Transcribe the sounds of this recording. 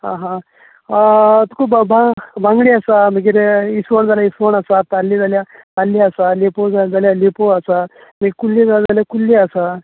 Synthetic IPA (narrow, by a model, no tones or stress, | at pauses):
ɦãɦã | t̪u̥kʰuːbbabʱãŋɡɽiasaməɡiɾisʋəɳd͡zaljaisʋəɳasat̪alːid͡zaljat̪alːiasalepod͡zad͡zaljalepoasa | məɡʲikulːid͡zalad͡zaljakulːiasa